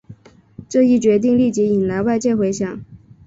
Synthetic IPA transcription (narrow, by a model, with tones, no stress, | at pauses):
ʈ͡ʂɤ˥˧i˥˩t͡ɕɥɛ˧˥t̪̬i˥˧ŋli˥˩t͡ɕi˧˥i˨˩nla˧˥ɪwa˥˧ɪt͡ɕjɛ˥˩xwe˧˥ɪɕjɑ˨˩˦ŋ